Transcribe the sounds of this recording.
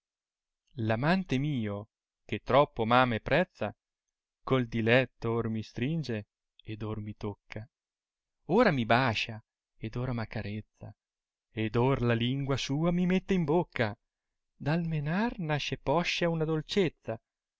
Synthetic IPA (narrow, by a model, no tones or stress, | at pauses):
lamant̪emiːo | k̟et̪ːɾɔpːomaːmepːɾɛt̪sːa | kold̪ilɛt̪ːormist̪ɾind͡ʒe | ed̪ormit̪okʰːa | oːɾamibaːt͡ʃa | ed̪oːɾamakaɾet̪sːa̰ | ed̪orlaliŋɡwasuːamimet̪ːeimbokʰːa | d̪almenarnaʃːepɔʃːaunad̪olt͡ʃet̪sːa